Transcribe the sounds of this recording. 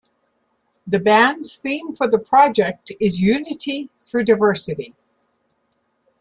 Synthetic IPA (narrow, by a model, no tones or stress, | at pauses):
ðɨbæ̃nz̥θĩɱfə˞ðəpʰɹ̥ɑd͡ʒɛk̚tɪzjʉnɨɾiθɹʉdaɪvɜ˞sɨɾi